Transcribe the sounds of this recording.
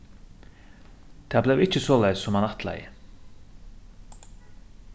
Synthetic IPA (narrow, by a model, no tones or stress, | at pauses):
t̪ʰɛːblɛʋɪc͡çəsoːlæɪssɔmɑnɑt̪ʰlæ̰ɪə